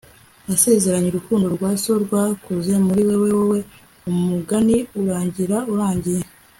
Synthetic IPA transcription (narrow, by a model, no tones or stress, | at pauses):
jase̞ze̞ɾaɲiɾukuːndoɾɡwaːso̞ɾɡwakuzemuɾiwe̞wewewe̞ | ummuɡaniuɾaːɲɟiɾauɾaːɲɟije